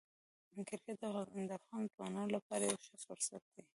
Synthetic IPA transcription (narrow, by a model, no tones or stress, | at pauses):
mʊkɪɾked̪d̪əafɣɑnt̪wɑnɑnolapɑɾajawʃasʊɾsat̪̚d̪i